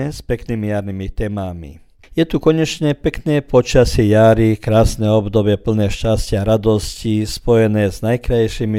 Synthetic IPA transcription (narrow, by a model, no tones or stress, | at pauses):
ɛspɛkniːmijaɾnimit̪ɛːmamḭ | jɛt̪ukɔɲɛt͡ʃɲɛpɛknɛːpɔt͡ʃasɛjaɾikɾaːsnɛɔbd̪ɔbɪɛpl̩nɛːʃcascɪaɾad̪ɔscispɔjɛnɛːznajkɾajʃimi